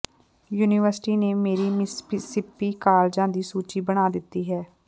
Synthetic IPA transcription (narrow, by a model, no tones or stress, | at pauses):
juːnɪʋəɾsʈiːneːmeːɾiːmɪspsɪpːiːkaːld͡ʒãːd̪iːsuːt͡ʃiːbəɽ̃aːd̪ɪt̪ːiːɦɛː